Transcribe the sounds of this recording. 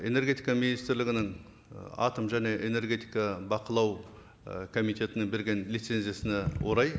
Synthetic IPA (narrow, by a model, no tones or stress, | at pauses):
e̞ne̞ɾɡʲe̞t̪ijkɑminist̪ɪɾlɪɡʲɪnɪŋ | ɑ̰t̪əmʒæne̞ʔene̞ɾɡʲe̞t̪ijkɑbɑqəlˠɑw | kʰo̞mijt̪e̞t̪ɪnɪŋbeɾɡʲe̞nlit̪se̞nzijasɪnewo̞ɾɑj